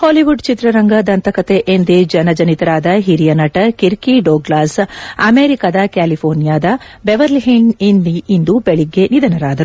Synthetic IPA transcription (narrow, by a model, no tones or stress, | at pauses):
hoːliʋuɖt͡ʃit̪ɾɐɾɐŋɡɐd̪ɐnt̪ɐkɐt̪e̞ʔend̪ed͡ʒɐnɐd͡ʒɐnit̪ɐɾaːd̪ɐɦiɾijɐnɐʈɐkiɾkiɖoːɡlaːsɐmeːɾikaːd̪ɐkaːlipʰoːɾnijaːd̪ɐbeʋɐɾlɦiɳɖind̪iind̪ubeɭiɡːe̞nid̪ɐnɐɾaːd̪ɐɾuu